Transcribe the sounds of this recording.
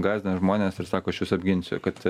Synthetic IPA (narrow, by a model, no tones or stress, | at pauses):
ɡɑːzʲd̪ʲɐʒmoːnʲeːsɪɾsɑːkoːɐʃjuːsɐbʲɡʲɪnʲsʲʊ̰kɐt̪